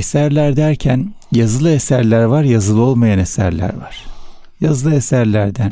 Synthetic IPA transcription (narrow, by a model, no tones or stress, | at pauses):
esæɾlʲæɾd̪æɾcʰæn | jazɯlˠɯesæɾlʲæɾvaɾjazɯlˠɯo̞lˠmajanesæ̰ɾlʲæ̰ɾva̰ɾ̥ | jazɯlˠɯesæɾlʲæɾd̪æn